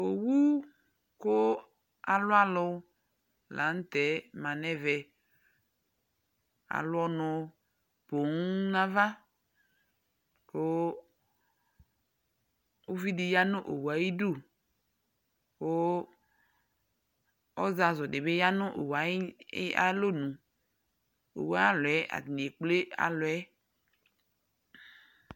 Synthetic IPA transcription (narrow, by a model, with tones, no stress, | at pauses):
o˨wu˦ | kʊ˦ | a˨lʊ˦a˦lʊ˨ | la̰˨˦n̩˦tɛ˨˦mã˨nɛ˦vɛ˨ | a̰˨lʊ˦ɔ˦nʊ˨ | po˨ŋ˦na˦va˦ | kʊ˦ | wo˦vi˦di˨ja˦nʊ̃˦ʔo˨wu˨a˨ji˦du˦˨ | wo˦ | ɔ˦za˨zɔ˨de˨be˦ja˦nʊ̃˦ʔo̰˨wa˨i˦a̰˦lo˦nũ˨ | o̰˨wa˦a˦lo˨ɛ˦ʔa̰˨dnĩ˨e˨k͡ple˦a̰˨lo˨ɛ˦